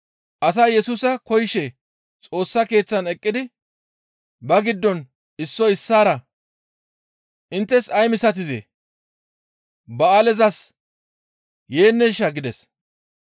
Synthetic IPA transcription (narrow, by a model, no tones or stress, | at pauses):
ʔɐsɐjɛsuːsɐkɔjɪʃɛ | t͡sʼo̞ːsːɐke̞ːt͡sːɐnɛkʼːɪd̪ɪ | bɐɡɪd̪ːɔn | ɪsːɔɪsːaːɾɐ | ʔɪnt̪ːɛsɐjmɪsɐt̪̬ɪzḛː | bɐalɛzɐs | je̞ːnːɛʃːɐɡɪd̪ɛs